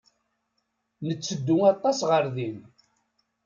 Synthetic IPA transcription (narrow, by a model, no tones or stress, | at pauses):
nət͡sːəd̪ːʊŋɑt̪ˤːɑsʁəɾðin